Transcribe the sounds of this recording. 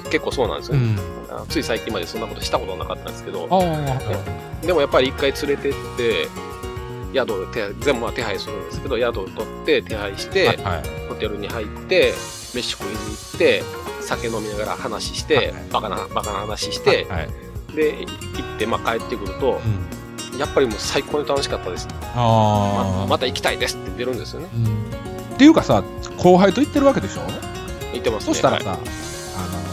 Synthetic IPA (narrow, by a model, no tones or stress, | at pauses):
ke̞kːo̞ːso̞ːnã̰nd̪esɨone | a̰ot͡sɨisaikʲĩmːad̪e̞so̞nːako̞t̪oɕi̥t̪ako̞t̪o̞anakat̪ːand̪esɨ̥keo̞̰ne | d̪e̞mo̞japːaɾʲiikːait͡sɨɾe̞t̪e̞t̪ːe̞ | jad̪o̞t̪ed͡zzẽ̞mbɯ̟at̪e̞ɦaisɨɾɯ̟̃nd̪e̞sɨ̥ke̞d̪o̞jad̪o̞t̪o̞t̪ːe̞t̪ʰe̞haiɕi̥t̪e̞ho̞t̪e̞ɾɯ̟ɲ̟ihait̪ːe̞ | me̞ɕi̥kɯ̟ɾiɲ̟iːt̪ːe̞sake̞no̞mʲinaɡaɾa̰hanaɕi̥ɕi̥t̪e̞ | bakana̰bakanahanaɕi̥ɕi̥t̪e̞ | d̪e̞it̪ːe̞makae̞t̪ːe̞kɯ̟ɾɯ̟t̪o̞ | japːaɾʲimo̞ːsaiko̞ːɲit̪ano̞ɕi̥kat̪ːad̪e̞sɨ̥ | amamat̪aikʲi̥t̪aid̪e̞sɨ̥t̪ːed̪e̞ɾɯ̟̃nd̪e̞sɨjo̞ne̞ | t̪ːe̞jɯ̟ːkasa | kʰo̞ːɦait̪o̞it̪ːe̞ɾɯβake̞d̪e̞ɕo̞̰ːne | it̪ːemasɨ̥oe̥t̪aɾa̰sa̰ | ano